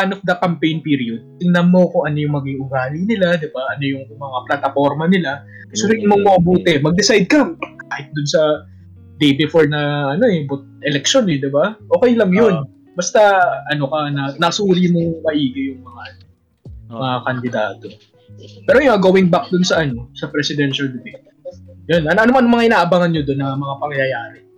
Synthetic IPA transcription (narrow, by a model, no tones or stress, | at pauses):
paːnok̚d̪ɐkɐmpejnpiːɾiod̪̚t̪ɪŋnɐmːo̞kʊŋʔɐnojʊŋmɐɡiŋʔʊɡaːlɪnɪlad̪ɪbaʔɐno̞jʊŋmɐŋaplɐt̪ɐfo̞ɾmɐnɪla | suːɾɪmoŋmɐʔɐbuːt̪ɛmɐɡ̚d̪ɪsajd̪̚kɐkaːhɪt̪̚d̪ʊnsɐ | d̪ɛjbɪfoɹnɐʔɐno̞ɛbʊt̪̚ʔɛlɛk̚ʃonɛd̪ɪbaʔo̞ːkɛjlɐŋjon | bɐst̪aɐno̞kɐnɐnɐsuːɾimoŋmɐʔiːɡɪjʊŋmɐŋaʔɐn | mɐakɐnd̪ɪd̪a̰ːt̪o̞ | pɛːɾojʊŋɐɡoːwɪŋbak̚d̪ʊnsɐʔɐno̞sɐpɾɛsɪd̪ɛnʃɐld̪ɪbɛ | jonʔɐnɐnomanomɐŋaʔɪnaːʔɐbaŋɐnɲod̪onːɐmɐŋapɐŋjɐjɐjaːɾɛ